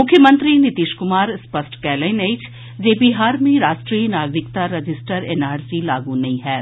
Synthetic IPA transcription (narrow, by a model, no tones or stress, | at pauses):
mʊkʰːjəmə̃nt̪ɾinit̪iːʃkʊmaːɾspɐsʈkɛːlẽneit͡ʃʰ | d͡ʒeːbiɦaːɾmẽɾaːʃʈɾiːnaːɡɾɪkt̪aɾɐd͡ʒɪsʈəɾeːnaːɾsilaːɡunɐĩɦɛː